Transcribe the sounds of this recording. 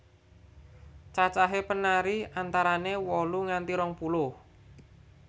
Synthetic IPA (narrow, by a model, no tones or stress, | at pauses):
t͡ʃat͡ʃaɦepənaɾiant̪aɾanewɔluŋant̪iɾɔŋpulʊh